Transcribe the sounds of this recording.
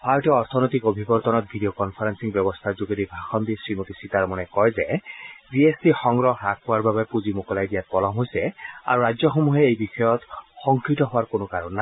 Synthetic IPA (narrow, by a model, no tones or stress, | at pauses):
pʰajtɔɔɹt̪ʰɔnojtikobʱibɔɹt̪ɔnɔt̚bʱidiokɔnpʰaɹansiŋbjɔbɔst̪ʰazuɡeɾibʱaxɔndisɹimotisitaɹmɔnɛkɔjzɛziesdixɔŋɡɹɔɦɹak̚powaɹbabɛpuzimokɔlajdijat̚pɔlɔmɦojsɛa̰ɹuɹazɔxomuɦɛejbixɔjɔtxɔŋkɹitɔɦʊwaɹkonʊkaɹɔnːa